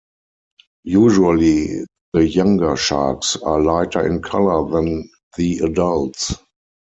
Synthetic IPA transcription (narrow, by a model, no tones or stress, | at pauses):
juːʒuəli | ðəjãŋɡə˞ʃa̰ksaːlaɪtʰə˞ɪ̰̃nkʰalə˞ðɛ̃n | ðiadalts